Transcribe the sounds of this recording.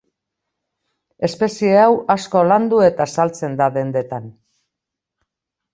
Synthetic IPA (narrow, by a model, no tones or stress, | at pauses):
e̞spe̞sie̞awasko̞land̪ue̞t̪asalt͡se̞nd̪aðe̞nd̪e̞t̪an